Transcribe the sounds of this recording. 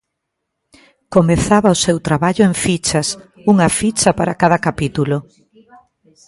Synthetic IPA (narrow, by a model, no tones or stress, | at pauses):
komeθaβɐʊsewt̪ɾaβaʎʊeŋfit͡ʃɐs | uŋɐfit͡ʃɐpaɾakaðɐkapit̪ulo